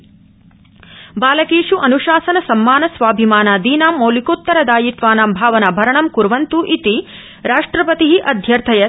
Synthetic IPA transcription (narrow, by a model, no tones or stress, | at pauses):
baːlɐkeːʂuʔɐnuʃaːsɐnɐsɐmːaːnɐsʋaːbʱimaːnaːd̪iːnaːmːoːlikoːt̪ːɐɾɐd̪aːjit̪ʋaːnaːmbʱaːʋɐnɐbʱɐɾɐɳɐmkuɾʋɐnt̪uʔit̪i | ɾaːʂʈɾɐpɐt̪iɦiʔɐd̪ʱjɐɾt̪ʰɐjɐ